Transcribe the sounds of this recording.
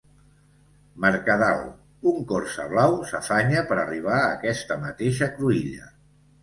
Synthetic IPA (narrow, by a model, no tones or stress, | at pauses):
məɾkəðalˠ | uŋkɔrsə̰β̞lawsəfaɲəpəɾə̰riβ̞aːkɛst̪əmət̪eʃəkɾuiʎə̰